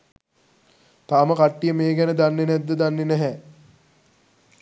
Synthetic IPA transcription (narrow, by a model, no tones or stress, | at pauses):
t̪aːməkaʈːijəmeːɡɛnəd̪anːenɛd̪ːəd̪anːenɛɦɛ